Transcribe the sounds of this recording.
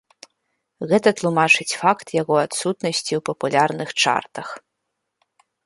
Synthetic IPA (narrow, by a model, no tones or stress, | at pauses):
ɣɛt̪ɐt̪lˠumat͡ʂɨt͡sʲfakt̪jaɣɔat̪sut̪nɐsʲt͡sʲiwpɐpulʲarnɨxt͡ʂa̰rt̪ɐx